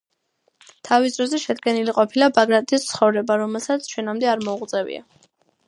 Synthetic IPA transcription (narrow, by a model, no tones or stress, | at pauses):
t̪ʰavisd̪ɾɔzɛʃɛd̪ɡɛniliqʼɔpʰilabaɡɾat̪ʰʼist̪sʰχɔvɾɛbaɾɔmɛlˠsat̪sʰt͡ʃʰwɛnamd̪ɛaɾmɔuʁʼt̪zʼɛvḭa̰